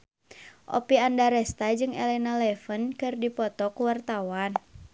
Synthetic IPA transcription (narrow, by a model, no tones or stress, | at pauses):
ʔɔ̰piandaɾɛst̪ad͡ʒɨŋɛ̰lɛnalɛfənkɨrdipɔt̪ɔkwart̪awan